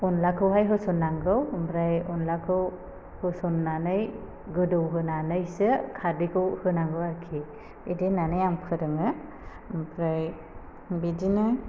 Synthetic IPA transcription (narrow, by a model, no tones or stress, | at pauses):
ɔnlakʰɯwɦajɦɯsɔnːaŋɡɯwbɾajɔnlakʰɯw | hɯsɔnːanɯj | ɡɯdɯwɦɯnanɯjsɯkʰadikɯwhɯnaŋɡɯwaɾkʰi | idenanɯjaŋpʰɯɾɯŋɯ | bɾaj | bidina